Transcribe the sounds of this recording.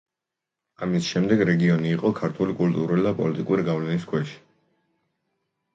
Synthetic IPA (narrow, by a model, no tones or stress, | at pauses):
amisʃɛmd̪ɛɡɾɛɡiɔniːqʼɔkʰaɾt̪ʰulikʼult̪ʼuɾulid̪apʼɔ̰lit̪ʼikʼuɾiɡavlɛniskʰwɛʃi̥